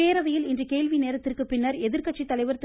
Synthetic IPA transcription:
eːɾɐʋɐjɪlɪndrɯkeːlʋineːɾɐt̪ːɪrkɯpɪnːɐɾɛðɪɾkɐʈt͡ʃːit̪ːɐlɐɪʋɐɾt̪

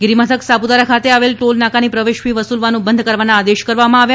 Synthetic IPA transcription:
ɡɾimat̪ʰəksabud̪aɾakʰat̪eaʋelʈolnakanipɾəʋeʃpiʋəsulʋanũbənd̪ʱkəɾʋanaːd̪eʃkəɾʋamãaʋja

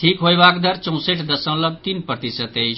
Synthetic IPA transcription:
ʈʰiːkɦojbaːkd̪ʱɐɾt͡ʃɔ̃w̃seʈʰd̪ɐsə̃w̃lɐb̚t̪inpɾət̪isət̪ei

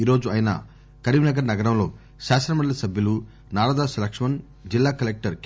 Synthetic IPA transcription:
iːɾo̞ːd͡ʒuɐjinɐ̰ | kɐɾiʋinɐɡɐɾnɐɡɐɾɐmlo̞ː | ʃaːsɾɐmɐɽɐlɐsɐbʱjɐlu | naːɾaːd̪aːsɐlɐkʂɐmɐn | d͡ʒilːaːkɐlek̚ʈɐɾ

